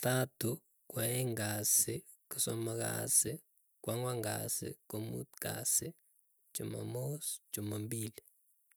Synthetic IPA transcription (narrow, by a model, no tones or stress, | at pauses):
t̪atu | kwaɛŋɡasɪ | kusɔmaka̰sɪ | kwaŋwaŋɡa̰sɪ̰komṵt̪ka̰sɪ | d͡ʒ̥ʊma̰mosd͡ʒumambili